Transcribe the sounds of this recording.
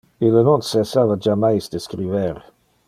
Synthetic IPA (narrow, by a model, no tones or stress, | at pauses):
ilənonsesavad͡ʒamajsd̪eskɾiveɾ